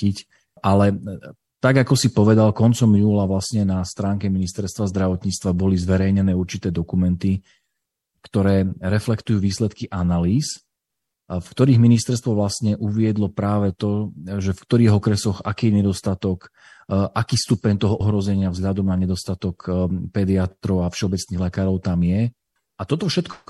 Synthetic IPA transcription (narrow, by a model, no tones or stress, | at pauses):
ic | ʔalɛ | t̪aɡakɔsipɔʋɛd̪alkɔnt͡sɔmjuːlaʋlasɲɛnast̪ɾaːŋkɛminist̪ɛɾst̪ʋazd̪ɾaʋɔt̪ɲiːt͡st̪ʋabɔlizʋɛɾɛjɲɛnɛːuɾt͡ʃit̪ɛːd̪ɔkumɛnt̪i | kt̪ɔɾɛːɾɛflɛkt̪ujuːʋiːslɛt̪kiʔanaliːs | fkt̪ɔɾiːɣminist̪ɛɾst̪ʋɔʋlasɲɛʔuʋɪɛd̪lɔpɾaːʋɛt̪ɔʒɛfkt̪ɔɾiːɣɔkɾɛsɔxa̰kiːjɛɲɛd̪ɔst̪at̪ɔk | ʔakiːst̪upɛɲt̪ɔɦɔʔɔɦɾɔzɛɲɪavzɦʎad̪ɔmnaɲɛd̪ɔst̪at̪ɔkpɛd̪iat̪ɾɔʊafʃɛɔbɛt͡sniːɣlɛkaːɾɔʊt̪amjɛ | at̪ɔt̪ɔfʃɛt̪kɔ